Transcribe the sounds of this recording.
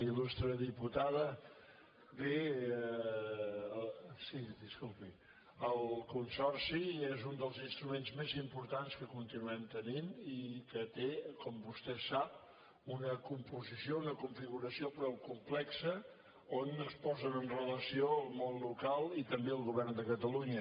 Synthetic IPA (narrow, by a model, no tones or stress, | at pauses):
ilust̪ɾəðiput̪aðə | be | siðiskulˠpi | əlˠkunsɔrsiezund̪əlˠzinst̪ɾumenzmezimpuɾt̪anskəkunt̪inuɛmt̪əninikət̪ekɔmbust̪ɛsap̚ | unəkumpuzisiounəkuɱfiɣuɾəsiopɾɔwkumplɛksə | onəspɔzənənrələsiolˠmonlukalˠit̪əmbeəlˠɣuβɛrnd̪əkət̪əluɲə